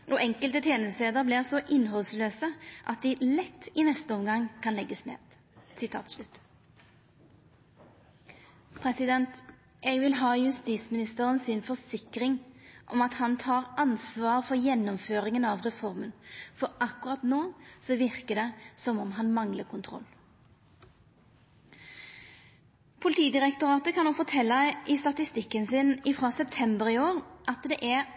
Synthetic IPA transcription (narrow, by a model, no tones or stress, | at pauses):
ʔɔʔɛŋkəlt̪ət̪ʰeːnəsleːd̪əʁblɪsɔʔɪnːɦɔlsløːsəʔɑt̪̚d̪ɪlɛt̪ːɪnɛst̪əɔmɡɑŋkʰɑnlɛɡːəsnḛːd̪̥ | sɪt̪ʰɑ̰ːt̪slʉt̪ː | pʰɾɛsɪd̪ɛnt̪ | ʔɛɡʋɪlɦɑːjʉst̪iːt̪smɪnɪst̪əɾənsɪnfɔsɪkɾɪŋʔɔ̰mɑt̪hɑnt̪ʰɑːʁɑnsʋɑːʁfɔɾjɛnːɔmføːɾɪŋənɑʋʁɛfɔʁmənfɔɾʔɑkʊʁɑt̪noːsɔʋɪʁkəd̪ɛsɔmɔmɦɑnmɑŋləkʰʊnt̪ʰʁɔ̰lː | pʰʊlɪt̪iːd̪ɪʁɛkt̪ʊʁɑːt̪əkʰɑnd̪oːfɔt̪ʰɛlːɑʔɪst̪ɑt̪ɪst̪ɪkːənsɪnɪfɾɑːsɛp̚t̪ʰɛmbəɾɪoːʁʔɑt̪d̪ɛʔæʁ